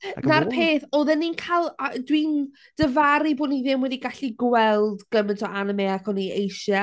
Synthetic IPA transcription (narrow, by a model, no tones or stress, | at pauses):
narpʰeːθɔðɛnːinkʰalˠadwin | d̥əvaɾiboːniðɪmwɛdiɡaɬiɡwɛlˠdɡ̥əməntʰɔʔanəmeːakɔniejʃa